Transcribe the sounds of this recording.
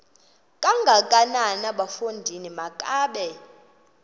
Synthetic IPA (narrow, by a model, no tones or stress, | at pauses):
kʼaŋɡʱakʼananaɓafundʱinimakʼaːɓɛ